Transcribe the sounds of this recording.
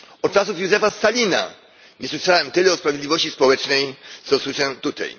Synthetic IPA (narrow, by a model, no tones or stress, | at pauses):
ɔt͡ʂasufjuzɛfast̪alʲina̰ | ɲɛswɘʂawɛmt̪ɘlɛɔspɾavʲjed̪lʲivɔɕt͡ɕispɔwɛt͡ʂnɛjt̪sɔswɘʂɛt̪ut̪ɛ̰j